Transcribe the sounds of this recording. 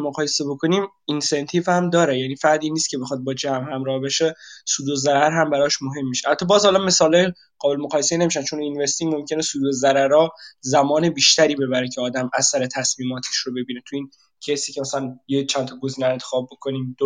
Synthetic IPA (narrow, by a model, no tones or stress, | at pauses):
moɣɒːjese̞bo̞kʰo̞niːm | insent̪ʰiːvhæmd̪ɒːɾejæniːfæd̪iːnːist̪kʲʰe̞be̞xɒːd̪̚bɒːd͡ʒæmhæmɾɒːhbeʃesuːd̪ozæɾæɾɦæmbæɾɒʃmoɦe̞mːiʃehæt̪ʰːɒːbɒːzhɒlɒme̞sɒːlɒːj | ɢ̥ɒːbelemoʁɒːjeseine̞miʃændt͡ʃʰoninvest̪iŋmo̞mcʰe̞nesuːd̪ozæɾæɾɒːzæmɒːne̞biːʃt̪ʰæɾiːbe̞βæɾecʰeɒːd̪æmæsæɾe̞t̪ʰæsmiːmɒːt̪ʰe̥ʃɾobe̞biːne̞t̪ʰuiːn | cʰesiːcʰemæsælænjet͡ʃʰænt̪ʰɒɡo̞ziːneent̪ʰe̥xɒːb̚ːo̞kʰo̞niːmd̪o